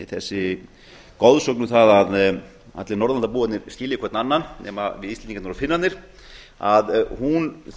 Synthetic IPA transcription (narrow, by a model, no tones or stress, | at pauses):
iθɛsːɪ | kɔðsœknʏθaðað | a̰t̪lɪnɔɾðanaɾpuːat̪nɪɾ̥scɪːljɪkʰɛɾt̪nanːannɛ̰ːmavɪðist̪ɛiŋkanɔɾafɪnːat̪nɪɾ̥ | aðhun